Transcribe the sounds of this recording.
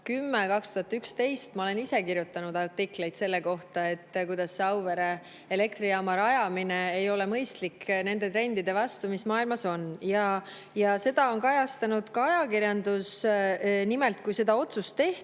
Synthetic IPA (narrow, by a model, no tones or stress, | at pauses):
kymːekɑkst̪uɦɑt̪ːˑykst̪e̞jst̪mɑo̞le̞nise̞kiɾjut̪ːˑɑnud̪̥ɑrt̪ikle̞jt̪se̞lːe̞ko̞ht̪ɑe̞t̪ːˑkujd̪̥ɑsːeɑwve̞ɾe | ele̞kt̪ɾiɑmɑɾɑjɑmineejo̞le̞mɤjst̪likne̞nd̪̥e̞t̪ɾe̞nʲd̪̥id̪e̞vɑst̪umismɑːilmɑso̞njɑ | jɑse̞d̪ɑo̞nkɑjɑst̪ɑnud̪̥kɑɑjɑkirjɑnd̪us | nimelt̪̚kujse̞d̪̥ɑo̞t̪sust̪ːe̞ht̪